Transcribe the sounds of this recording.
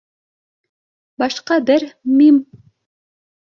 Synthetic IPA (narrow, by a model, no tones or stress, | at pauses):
bɑʃqɑd̪eɾmim